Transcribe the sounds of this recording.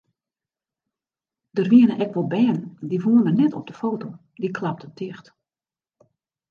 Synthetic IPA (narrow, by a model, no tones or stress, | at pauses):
d̥ərʋiənəʔɛkʋɔlˠbɛːndivuənmənɛtʰɔ̰b̚dəfoːto | dikʰlap̚tətɪxt